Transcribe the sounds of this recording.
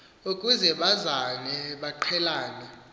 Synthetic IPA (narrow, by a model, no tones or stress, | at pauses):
ukʼuzɛɓazanɛɓaǃʰɛlaːnɛ